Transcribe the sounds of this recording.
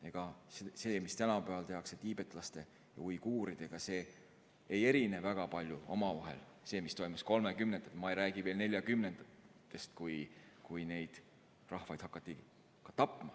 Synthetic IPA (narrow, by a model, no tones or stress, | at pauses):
e̞ɡ̥ɑsese̞ːmist̪ænɑpæɑlt̪e̞ɦɑkse̞t̪iːb̥e̞t̪ːˑlɑst̪e̞ | jɑ̰ujkuːɾid̪̥e̞ɡ̥ɑse̞ː | je̞ɾine̞væɡ̥ɑpɑlʲjuo̞mɑvɑɦe̞̰l | se̞ːmist̪o̞jmusko̞lmekymnen̥ɑt̪mɑejɾæːɡ̥iveːlne̞lʲjɑkymnend̪̥t̪ːe̞st̪kujkujne̞jd̪̥ | rɑhvɑjd̪̥hɑkːˑɑt̪ːˑi | kɑt̪ɑpːˑmɑ